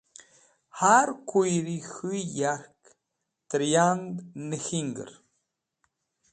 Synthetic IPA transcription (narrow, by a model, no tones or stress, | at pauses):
haɾkujɾixɨjaɾk | t̪ɾijaŋɡnəxiŋɡə̰ɾ